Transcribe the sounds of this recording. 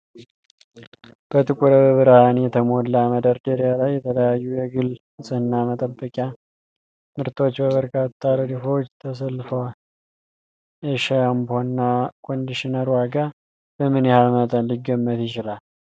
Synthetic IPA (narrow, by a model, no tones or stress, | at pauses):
b̥ət̪ʼɨkʼuɾəβəβɨɾhanjɛt̪ʰəmolːaməd̪əɾd̪əɾijalajːɛt̪ʰələjajːujɛɡɨl | sʼɨhɨnːamət̪ʼəbːəkʼja | mɨɾt̪ʰo̞t͡ʃːbəβəɾkʰat̪ʰːaɾəd̪ifot͡ʃːt̪ʰəs̬əlːfəwal | ɛʃaambonːakʼʰo̞nd̪iʃɪnəɾwaɡa | b̥əmɨnjɛhalmət̪ʼənliɡːəmːət̪jɪt͡ʃɪlal